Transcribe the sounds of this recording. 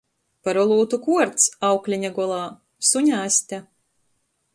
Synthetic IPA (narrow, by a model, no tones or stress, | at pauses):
paɾɔlˠuːt̪ukuɔɾt̪sawklʲiɲaɡɔlˠaː | suɲʲaːsʲt̪ʲæ